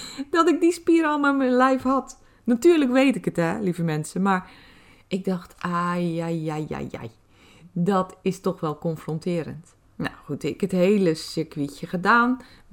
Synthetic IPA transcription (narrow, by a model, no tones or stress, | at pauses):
dɔtɪk̚dispiəɾɔlˠmamɛnlɛjfhɔt | natyəɹləkʋeːtɪkətɛlivəmɛnsəmaɹ | ʔɪk̚dɔxtajajaja̰ja̰j | dɔtʰɪstɔxʋɛlˠkɔnfrɔntʰɪːəɾə̰nt | na̰xutɪkətheːləsɪkʋiçjəxədaːn